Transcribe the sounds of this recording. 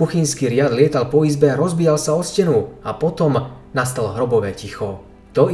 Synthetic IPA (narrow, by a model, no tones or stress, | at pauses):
kuxinskiːɾɪad̪lɪɛt̪alpɔizbɛɾɔzbijalsaɔscɛnuapɔt̪ɔm | nast̪alɦɾɔbɔʋɛcixɔ | t̪ɔ